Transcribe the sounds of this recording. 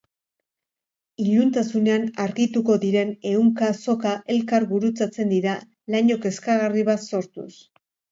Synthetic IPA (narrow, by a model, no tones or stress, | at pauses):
iʎunt̪asune̞anaɾɣit̪uko̞ðiɾe̞ne̞uŋkaso̞kaʔe̞lkaɾɣuɾut͡sat͡se̞nd̪iɾa | laɲo̞ke̞skaɣariβat̪so̞ɾt̪ṵs